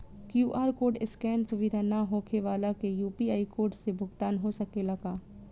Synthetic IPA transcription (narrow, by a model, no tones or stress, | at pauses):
kjuːʔaːɾkoːɾɖɪskɛːnsʊʋɪd̪ʱanaɦoːkʰeʋaːlakejuːpiaːikoːɾɖsebʱʊɡt̪aːnɦosɐkelɐɡaː